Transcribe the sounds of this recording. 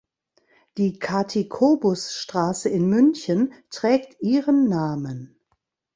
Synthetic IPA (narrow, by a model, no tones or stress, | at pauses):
d̥iːkʰaɐtʰikʰoːbʊsʃtʁ̥aːsəɪnmʏnçəntʁ̥ɛːk̚tʔiːʁənːaːmən